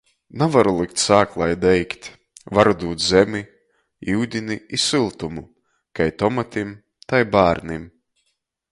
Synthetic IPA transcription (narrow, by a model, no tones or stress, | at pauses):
navaɾulˠikt̪saːklˠajd̪ɛjkt̪ʲ | vaɾud̪uːt̪zɛmʲi | iwd̪ʲiniisɨlˠt̪umu | kajt̪ɔmat̪ʲim | t̪ajbaːɾnim